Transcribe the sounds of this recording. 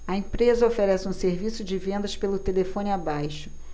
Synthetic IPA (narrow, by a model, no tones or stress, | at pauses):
ɐẽpɾezɐofeɾɛsɪũseɾvisʊd͡ʒɪvẽnd̪ɐʃpelʊt̪elefõnɪabajʃʊ̥